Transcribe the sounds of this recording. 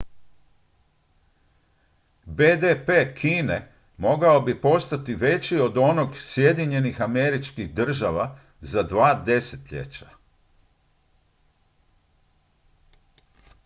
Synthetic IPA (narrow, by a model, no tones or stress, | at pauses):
beːd̪epe̞kʰiːne | mo̞ɡaobipo̞st̪at̪iʋe̞t͡ɕio̞d̪o̞no̞ɡsje̞d̪iɲe̞nixame̞ɾit͡ʃkixd̪r̩ʒaʋa | zad̪ʋaːd̪e̞se̥t̪ʎḛt͡ɕa